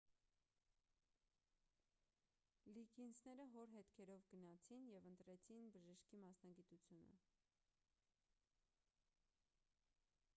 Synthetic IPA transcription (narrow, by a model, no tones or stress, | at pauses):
liɡinsnɛɾəɦɔɾɦɛt̪kʰɛɾɔvɡənɑt͡sʰinjɛvənt̪ɾɛt͡sʰinbəʒəʃkimɑsnɑɡit̪ut͡sʰjunə̰